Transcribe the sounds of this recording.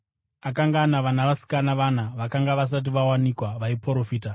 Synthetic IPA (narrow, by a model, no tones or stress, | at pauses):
akaŋɡanaʋanaʋasi̥kanaʋan̤aʋakaŋɡaʋas̬at̬iʋawanikwaʋaipoɾofiːta